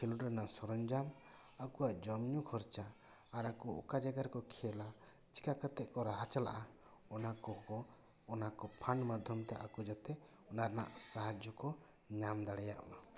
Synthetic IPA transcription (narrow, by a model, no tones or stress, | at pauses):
kʰɛluʈɾanasɔɾɔnd͡ʒam | akuaʔd͡ʒɔmɲukʰɔɾt͡ʃaː | ɾakuɔ̰kad͡ʒaɡaɾkɔkʰɛla | t͡ʃi̥kakət̪ɛʔkɔɾaɦat͡ʃala̰ʔa | ɔnakɔkɔː | nakɔpʰanmad̪ʱjɔmt̪a̰ʔakud͡ʒɔt̪ɛ | ɔnaɾana̰ʔsaɦad͡ʒɔkɔ | ɲamd̪aɽɛjaʔa